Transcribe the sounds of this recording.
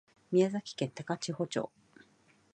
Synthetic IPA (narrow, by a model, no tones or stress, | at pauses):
mʲiazakʲi̥kẽ̞nt̪akat͡ɕiho̞t͡ɕo̰ː